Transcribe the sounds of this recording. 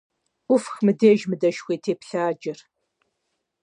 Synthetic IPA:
ʊfxmɨdeːʒmɨdɐʃxʷeːtʰeːpɬaːd͡ʒɪr

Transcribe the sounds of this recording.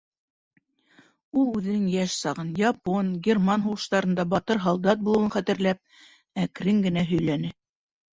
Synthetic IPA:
ulˠʉðɘ̆nɘŋjæʃsɑʁɤnjɑponɡʲermɑnɦuʁɤ̆ʃt̪ɑɾɤ̆nd̪ɑbɑt̪ɤɾɦɑlˠd̪ɑt̪̚bulˠɤ̆wɤnχæt̪ɘ̆ɾlæp̚ | ækɾɘŋɡɘ̆næɦɵ̆jlænɘ

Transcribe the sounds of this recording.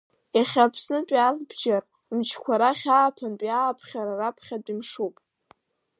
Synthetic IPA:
aχʲapʰsnɨpʼalbd͡ʒar | mt͡ʃʰkʷʰaɾaχʲaːpʰanpʼjaːpʰχʲaɾarapʰχʲadʼimʂupʼ

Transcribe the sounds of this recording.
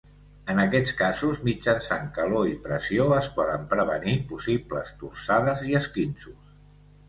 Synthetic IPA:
ənəkɛt͡skazuzmid͡ʒansaŋkəloipɾəsioəspɔðəmpɾəβənipusiblə̰st̪ursaðəziəskinsus

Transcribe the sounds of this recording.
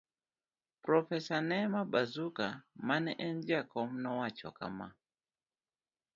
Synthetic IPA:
pɾɔfɛsanɛmaɓazukamanɛʔɛnd͡ʒiakɔm̩nɔwat͡ʃɔ̰ka̰ma̰

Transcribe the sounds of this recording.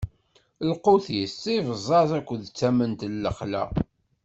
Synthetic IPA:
lquθisivəzˤːɑθækʷːəðt͡sːæmənt̪lːəχlæ̰

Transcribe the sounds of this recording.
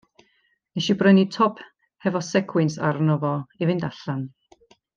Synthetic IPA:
nɛʃibrənitʰɔpʰ | hɛvɔsɛkʰwɛnsa̰rnɔvɔivɪndaɬan

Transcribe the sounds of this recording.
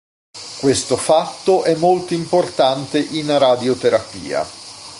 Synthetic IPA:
kwest̪ofat̪ːoʔɛmːolt̪oimport̪ant̪eʔinaɾad̪jot̪eɾapḭːa̰

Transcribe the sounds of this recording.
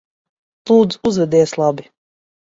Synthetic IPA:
lˠuːd̪zuzvɛd̪ɛːslˠabi

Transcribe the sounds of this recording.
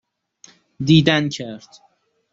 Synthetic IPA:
d̪iːd̪æncʰæɾd̪̥

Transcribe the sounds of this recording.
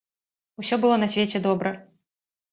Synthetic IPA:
usʲɔbɨlˠɔnɐsʲvʲet͡sʲɛd̪ɔbɾɐ

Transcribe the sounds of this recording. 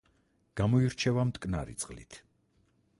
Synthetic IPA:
ɡ̥amɔiɾt͡ʃʰɛvamt̪ʼkʼna̰ɾḭt̪sʼqʼlḭt̪ʰ

